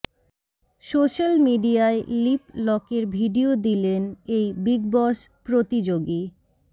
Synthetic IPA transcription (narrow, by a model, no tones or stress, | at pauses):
soʃalmiɖiaeliplɔkeɾbʱiɖiod̪ilenejbiɡbɔʃpɾot̪id͡ʑoɡi